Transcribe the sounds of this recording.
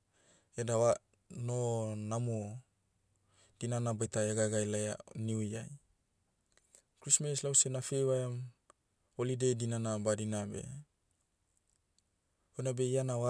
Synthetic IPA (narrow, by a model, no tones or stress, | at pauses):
edawa | nonamo | d̥inanabajtaeɡaɡajlaja̰niuaj | kɾismeslawsenafejwaam | olidejdinanabadinabḛ | ojnabeianawa